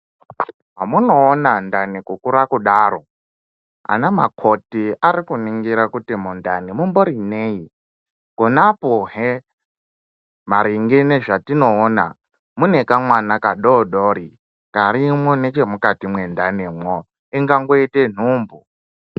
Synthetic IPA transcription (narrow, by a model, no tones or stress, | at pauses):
ɦamunoːnandanikukuɾakuɗaɾo | a̰nama̰kʰotiaɾikuniŋɡiɾakutimundanimumboɾinei | konapoɦe | maɾiŋɡineʐatinoːna̰ | munekamwanakaɗoɗoɾi | kaɾimonet͡ʃemukatimwendanimwo | iŋɡaŋɡoiten̤uːmbu